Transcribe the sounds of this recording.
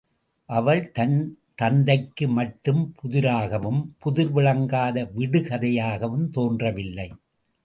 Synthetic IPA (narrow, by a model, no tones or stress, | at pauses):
ʔɐʋɐɭt̪ɐn | t̪ɐnd̪ɐɪkːɯmɐʈːɯmpʰʊðɪɾaːɣɐʋɯmpʊðɪɾʋɪɭɐŋɡaːðɐʋɪɽɯkɐðɐjaːɣɐʋɯmt̪oːndrɐʋɪlːɐɪ